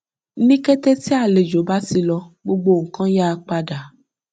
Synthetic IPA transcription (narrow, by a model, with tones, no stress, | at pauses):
nĩ˦kɛ˦te˦ti˦a˦˨le˨d͡ʒo˨˦ba˦ti˧lɔ˧ɡ͡bo˧ɡ͡bo˧˨ŋ̩˨kã˦ja˦˧k͡pa˧da˨˦